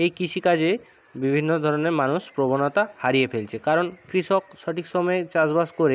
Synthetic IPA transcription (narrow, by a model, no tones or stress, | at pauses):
ejkiʃikad͡ʑe | bibʱinːod̪ʱɔɾɔneɾmanuspɾobonɔt̪ahaɾijepʰelt͡ɕʰekaɾonkɾiʃɔkʃɔʈʰiksɔmɔet͡ɕazbaskoɾe